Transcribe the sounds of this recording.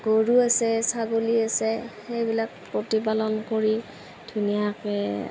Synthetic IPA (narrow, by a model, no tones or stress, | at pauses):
ɡ̥oɹuasɛsaɡoliasɛxejbilak̚pɹotipalɔnkoɹi | d̥ʱunijakɛ